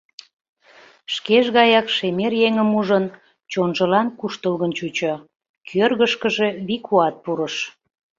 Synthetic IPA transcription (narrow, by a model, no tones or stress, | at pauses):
ʃkeʒɣɑjɑkʃemerjeŋəmuʒən | t͡ɕonʒəlɑnkuʃt̪əlɣənt͡ɕut͡ɕo | kʰørɣəʃkəʒe̽βikʰuɑt̪̚puɾəʃ